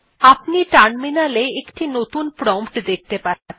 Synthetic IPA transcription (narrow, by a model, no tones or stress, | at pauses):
apniʈanminaleekʈinot̪unpɾɔmpʈd̪ek̚ʰt̪epa